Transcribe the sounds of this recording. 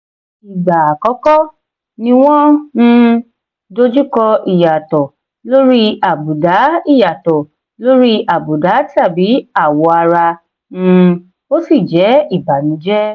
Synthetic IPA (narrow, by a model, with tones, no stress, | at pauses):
i˨ɡ͡ba˨kɔ˨˦kɔ˦ | nĩ˧w̃ɔ̃˦ñ̩˧ | do˦d͡ʒu˦kɔ˧i˨ja˨tɔ˨ | lo˦ɾi˦a˨bu˨da˨˦i˦˨ja˨tɔ˨ | lo˦ɾi˦a˨bu˨da˨˦ta˦˨bi˨˦a˦˨wɔ˧a˧ɾa˧ | ñ̩˧ | o˦si˦˨d͡ʒɛ˨˦i˦˨ba˨nĩ˨˦d͡ʒɛ˦